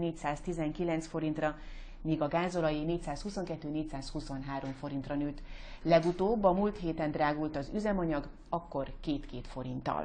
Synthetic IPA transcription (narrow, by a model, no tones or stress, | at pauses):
neːcsaːst̪izɛŋkilɛnsfo̞ɾint̪rɒ | miːɡɒɡaːzolɒjineːcsaːshuso̞ŋkɛt̪ːøːneːcsaːshuso̞nɦaːɾo̞ɱfo̞ɾint̪rɒnøːt̪lɛɡut̪oːbːɒmult̪ɦeːt̪ɛnd̪raːɡult̪ɒzyzɛmɒɲɒɡ | ɒkːo̞rkeːt̪keːt̪fo̞ɾint̪ɒ̰l